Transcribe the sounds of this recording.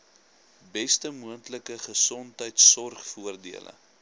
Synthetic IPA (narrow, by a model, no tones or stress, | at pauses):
bɛstəmuəntləkəχəsɔntɦəjtsɔrχfuərdiələ̰